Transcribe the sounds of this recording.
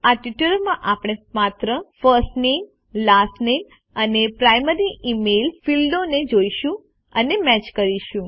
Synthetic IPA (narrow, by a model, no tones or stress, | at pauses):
aʈʋiʈəɾmãʔapɽ̃emat̪ɾəfəsʈnem | lasʈnem | ənepɾajməɾiʔimelfilɖoned͡ʒoiʃũ | ənemɛt͡ʃkəɾiʃũ